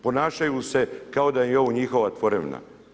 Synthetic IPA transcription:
po̞naːʃajuse̞kao̞d̪ajeoʋoɲixo̞ʋat̪ʋo̞ɾḛʋna̰

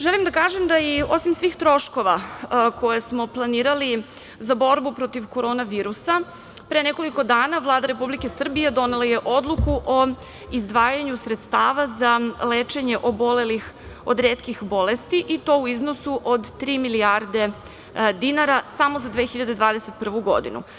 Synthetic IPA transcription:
ʒelimd̪akaːʒemd̪ajio̞simsʋiːxt̪ɾo̞ʃko̞ʋakʰo̞jesmo̞plˠaniːɾali | zabo̞ɾbupɾo̞t̪iʋko̞ɾo̞ːnaʋiːɾusa | pɾeneko̞liko̞d̪aːnavlˠaːd̪aɾe̞publike̞sr̩bije̞d̪o̞ne̞lˠaje̞ʔo̞d̪lˠukuʔo | izd̪ʋaːjaɲusɾet̪st̪aːʋazaleːt͡ʃe̞ɲe̞ʔo̞bo̞lelix | o̰d̪ɾeːt̪kixbo̞le̞st̪iʔit̪o̞uizno̞suʔod̪t̪ɾiːmiliaɾd̪e̞ | d̪inaɾasamo̞zad̪ʋeːxiʎad̪e̞d̪ʋaːd̪e̞set̪̚pr̩ʋuɡo̞̰d̪ḭnṵ

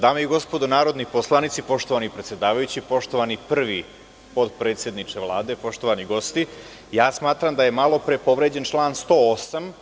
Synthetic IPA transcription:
d̪aːmeiɡo̞spod̪onaːɾo̞d̪niposlˠanit̪sipo̞ʂt̪o̞ʋanipɾe̞t̪sjed̪aːʋajut͡ɕipo̞ʂt̪o̞ʋanipr̩ʋi | po̞d̪pɾeːt̪sje̞d̪nit͡ʂeʋlˠaːd̪e̞po̞ʃt̪o̞ʋaniɡo̞st̪i | jaːsmaːt̪ɾamd̪aje̞malˠo̞pɾepo̞ʋɾe̞d͡ʑe̞nt͡ʃlˠaːnst̪o̞osam

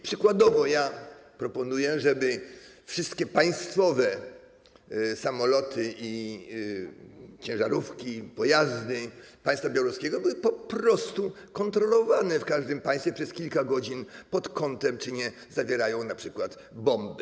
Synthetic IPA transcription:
pʂɘkwad̪ɔvɔjapɾɔpɔnujɛʐɛbɘfʂɪst̪kʲɛpaj̃st̪fɔvɛ | samɔlɔt̪ʰɘʔi | t͡ɕɛ̃ʐaɾufkʲipɔjazd̪ɘ | pajst̪fabjawɾɔskʲɛɡɔbɘwɘpɔpɾɔst̪u | kɔnt̪ɾɔlɔvanɛfkaʐd̪ɘmpaj̃st̪fʲjɛpʂɛskʲilkaɡɔd͡ʑinpɔt̪kɔnt̪ɛmt͡ʂɘɲɛ | zavʲjɛɾajɔ̃w̃napʂɘkwat̪ | bɔmb

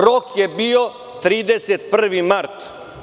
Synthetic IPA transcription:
ɾokjebio | t̪ɾiːd̪eset̪̚pr̩ʋimaɾt̪

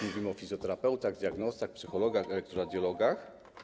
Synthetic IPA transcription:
muvʲimɘɔfʲizjɔt̪ɛɾapɛwt̪aɣd̪ʲjaɡnɔst̪axpsɘxɔlɔɡaxɛlɛk̚t̪ɾɔɾad̪ʲjɔlɔɡax

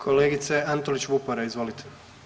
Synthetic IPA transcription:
kʰo̞leːɡit̪seant̪olit͡ɕʋupoɾaizʋo̞lit̪ʰe̥

